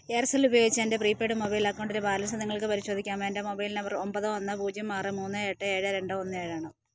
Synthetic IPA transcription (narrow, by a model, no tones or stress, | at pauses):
eːrsɐlubɐjo̞ːɡit͡ɕːendepriːpːe̞ːɽɨmobɐjlaːkːoɳɖiɾɨbaːlɐs̬ɐniŋːɐɭkɨpɐɾiɕo̞ːd̪ʱikʲːaːmeːndemo̞bɐjlinɐʋɐrombɐðɨonːɨpuːd͡ʑjɐmːaːrɨmuːnːɨeʈːɨe̞ːɻɨɾe̞ɳɖɨonːɨeːɻaːɳɨ